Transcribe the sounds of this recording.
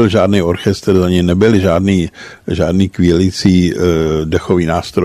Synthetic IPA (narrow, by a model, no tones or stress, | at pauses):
ɪlʒaːdnio̞ɾxɛst̪ɾzaɲɛjnɛbɪlʒaːdniː | ʒaːdniːkʋɪɛlɪt͡siːdɛxoviːnaːst̪ɾo